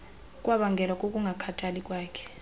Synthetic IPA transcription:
k̬ʼwaɓaŋɡʱɛlwak̬ʼok̬ʼuŋɡʱakʰatʰalik̬ʼwaːkʰɛ̥

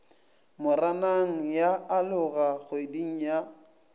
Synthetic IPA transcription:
mʊranaŋ̩jaalʊɣaɣʊediŋ̩ja

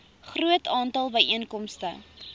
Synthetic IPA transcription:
χruətɑːntɐlˠbəjʔiənkɔmstə̰

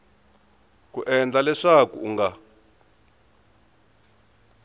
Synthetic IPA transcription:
kuʔɛnd͡ɮalɛʂakuuŋɡa

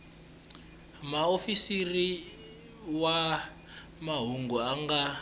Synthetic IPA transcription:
maofisiri | wa | maɦuŋɡuaŋɡa

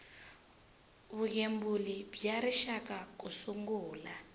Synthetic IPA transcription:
βuɣembulibjaɾiʃakak̬usuŋɡuːla

